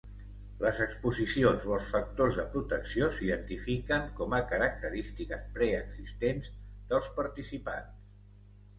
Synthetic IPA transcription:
ləzəkspuzisionzoəlˠsfək̚t̪ozðəpɾut̪əksiosiðənt̪ifikəŋkɔməkəɾək̚t̪əɾist̪ikəspɾɛəɡzist̪enzðəlˠspəɾt̪isipa̰ns

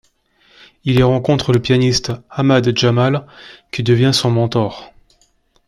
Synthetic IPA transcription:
iliʁɑ̃kɔ̃t̪χələpjanist̪amad̪ʒamalkʲid̪əvjɛ̃sɔ̃mɑ̃t̪ɔʁ

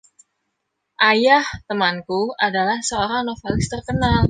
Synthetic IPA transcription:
ʔajaht̪əmankuadalahsəoɾaŋnofelɪst̪ərkənal

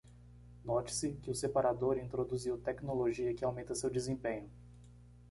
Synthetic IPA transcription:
nɔt͡ʃɪ̥sɪkɪʊsepaɾad̪oɾĩnt̪ɾod̪uziwt̪ɛknoloʒiɐkɪawmẽnt̪ɐsewd͡ʒɪzẽpẽɲʊ

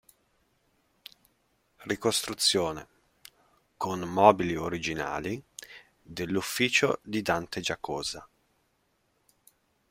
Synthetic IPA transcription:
rikost̪ɾut̪sːjoːnḛ | konmɔːbilioɾid͡ʒina̰ːli | d̪elːufːiːt͡ʃod̪id̪ant̪ed͡ʒakoːza

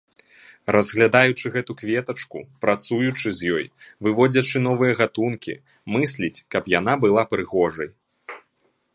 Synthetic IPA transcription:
ɾɐzɣlʲad̪ajut͡ʂɨɣɛt̪ukvʲɛt̪ɐt͡ʂkṵpɾat̪sujut͡ʂɨzʲjɔjvɨvɔd͡zʲɐt͡ʂɨnɔvɨjɐɣat̪unkʲḭ | mɨsʲlʲit͡sʲkɐpjanabɨlˠapɾɨɣɔʐɐj

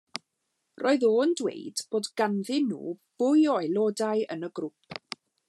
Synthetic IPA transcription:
rʔoːɨðoːndwḛjdb̥oːdɡ̥anðɪnːṵːb̥ʊjɔjlˠoːdajə̰nəɡrʊp̚

